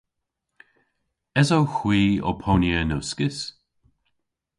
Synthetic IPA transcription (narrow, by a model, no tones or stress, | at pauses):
ɛzowxwiːɔ̰pʰoːnjənoːskɪs